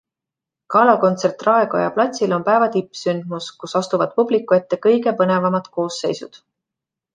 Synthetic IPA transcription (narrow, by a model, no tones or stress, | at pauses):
kɑlɑko̞nt̪se̞rt̪ˑrɑeɡo̞̰jɑplɑt̪ʲsilo̞npæevɑt̪ipːˑsynd̪̥̚muskusɑst̪uvɑd̪̥̚publikːˑue̞t̪ːe̞kɤjɡe̞pɤne̞vɑmɑd̪̥ko̞ːsːe̞̰jsṵd̪̥